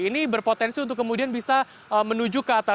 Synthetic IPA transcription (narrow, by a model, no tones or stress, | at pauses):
inibərpot̪ɛnsiunt̪ʊkːəmudianbisa | əmənud͡ʒukəat̪a